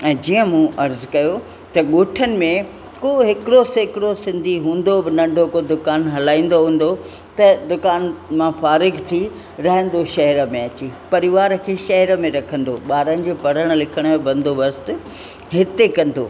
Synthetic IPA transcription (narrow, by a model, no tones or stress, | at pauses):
ɛ̃ːd͡ʑiə̃mũʔɐɾzkɐjo | t̪ɐɠoːʈʰənɪ̆mẽ | koɦɪkɪɽoseːkɪɽosɪ̃nd̪ʱiɦũːn̆d̪obɪnɐ̃ɳɖʱokod̪ʊkaːnɦɐlaːĩːn̆d̪oɦũːn̆d̪o | t̪ɐd̪ʊkaːnmãfaːɾɪɡt̪ʰi | ɾɐɦə̃n̆d̪oʃɐɦɾəmẽɐt͡ɕipɐɾɪʋaːɾkʰeʃɐɦɾmẽɾɐkʰə̃nd̪oɓaːɾənɪ̆d͡ʑoːpɐɽəɽ̃lɪkʰəɽ̃mẽbɐ̃nd̪ʱoʋɐst̪ | ɦɪt̪ekɐ̃nd̪o̰ː